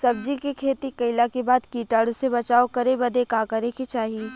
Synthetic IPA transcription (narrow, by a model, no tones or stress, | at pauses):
sɐb̚d͡ʒikekʰeːt̪ikɐɪlakebaːd̪kiːʈaːɽʊsebɐt͡ʃaːokɐɾebɐd̪ekaːkɐɾẽket͡ʃaːɦi